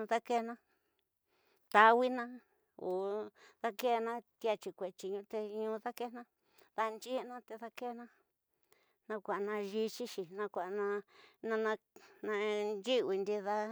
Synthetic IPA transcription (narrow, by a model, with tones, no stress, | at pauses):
ũ˧ða˦ke˦nã˦ | t̪a˧wi˦nã˦ | o˨ða˦ke˦˧nã˦t̪ja˧t͡ʃi˧kʷe˨t͡ʃi˧˨ɲũ˧t̪e˧ɲũ˧˦ða˦ke˦˧nã˦ | ða˧nt͡ʃi˦˧nã˦t̪e˧ða˧ke˦˧nã˧ | nã˧kʷa˨˧nã˧ʒi˧t͡ʃi˦ʃi˧˨nã˧kʷa˨ʔnã˧nã˧nã˧nã˧nd͡ʒi˦wi˧nd̪i˧ða˧